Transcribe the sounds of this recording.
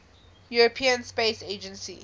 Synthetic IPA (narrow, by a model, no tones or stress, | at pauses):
juɹɔpʰĩə̃nspesed͡ʒə̃nsḭ